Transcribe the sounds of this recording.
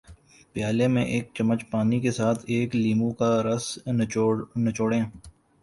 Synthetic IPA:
pɪjaːlemẽʔeːk̚t͡ʃɐmːət͡ʃpaːnikesaːt̪ʰeːkliːmũkaɾɐs | nɐt͡ʃoːɽẽː

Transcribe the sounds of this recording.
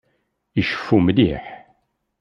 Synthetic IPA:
iʃə̥fːumlḭħ

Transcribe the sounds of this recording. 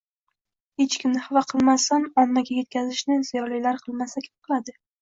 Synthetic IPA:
het͡ʃkʲʰɪmnɪhɪvaqʰɨlˠmast̪anɒnːaɡʲaje̞t̪̚kʲʰazɪʃnɪzijɒlˠijlaɾqʰɨlˠmasakʲʰɪ̥p̚qʰɨlˠad̪ɪ

